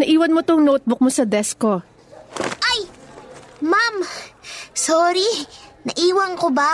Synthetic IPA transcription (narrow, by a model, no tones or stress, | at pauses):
nɐʔiːwɐnmot̪oŋnoːt̪̚bok̚mosɐd̪ɛsko̞ | ʔaj | mam | soːɾinɐʔiːwɐŋkoba